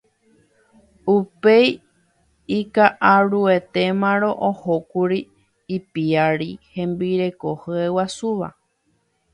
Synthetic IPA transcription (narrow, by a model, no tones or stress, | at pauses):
upej | ikaʔaɾuet̪e̞mãɾõ̞ʔohokuɾiː | piaɾihẽ̞mbiɾe̞ko̞hɨewasuʋa̰